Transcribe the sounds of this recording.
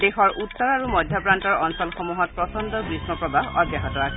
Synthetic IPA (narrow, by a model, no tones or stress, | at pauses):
dexɔɹutːɔɹaɹumɔdʱjapɹantɔɹɔnsɔlxɔmuɦɔt̚pɹɔsɔndɔkɹismɔpɹɔbaɦɔɡjaɦɔtɔɹasʰɛ